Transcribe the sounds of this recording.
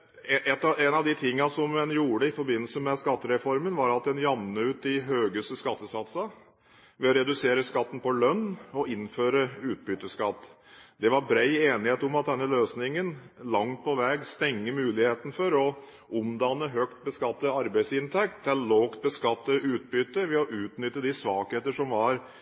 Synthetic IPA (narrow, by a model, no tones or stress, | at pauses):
ɛɛt̪ːɑænɑʋd̪ɪt̪ʰɪŋːɑsɔmːɛnjuːɖəɪfɔɾbɪnːəlsəmɛskɑt̪ːəɾɛfɔɾmənʋɑɾɑt̪̚d̪ɛnjɑmnəʉːt̪ɪɦøːɡəst̪əskɑt̪ːəsɑt̪sə | ʋɛɔɾɛd̪ʉseːɾəskɑt̪ːən̩pɔlœnːɔɪnføːɾəʉːt̪̚bʏt̪əskɑt̪ːd̪ɛʋɑɾbɾæɪeːnɪheːt̪ʊmɑt̪̚d̪ɛnːəløːsnɪŋənlɑŋt̪̚pʰɔʋɛːɡst̪ɛŋːəmʉːlɪheːt̪ən̩fɔɾɔ | ʔʊmd̪ɑnːəɦøːkt̪̚bəskɑt̪ːəɑɾbæɪsɪnt̪ʰɛk̚t̪d̪ɛloːkt̪̚bəskɑt̪ːəʉːt̪̚bʏt̪ːəʋɛɔʔʉːt̪nʏt̪ːəd̪ɪsʋɑːkheːt̪əʂɔmʋɑɾ